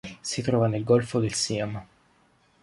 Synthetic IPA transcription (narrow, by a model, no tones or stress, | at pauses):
sit̪ɾɔːvanelɡɔlfod̪elsiama